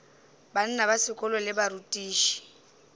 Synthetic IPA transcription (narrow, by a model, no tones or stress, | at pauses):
ban̩nabasɪkʼʊlɔlɪbaɾutʼiːʃi̥